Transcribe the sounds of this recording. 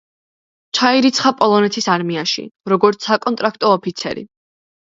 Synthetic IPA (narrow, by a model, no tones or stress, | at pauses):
t͡ʃʰaiɾit̪sʰχapʼɔlˠɔnɛt̪ʰisaɾmiaʃḭɾɔɡɔɾt̪sʰakʼɔnt̪ʼɾak̚ʰt̪ʼɔːpʰit̪sʰɛ̰ɾḭ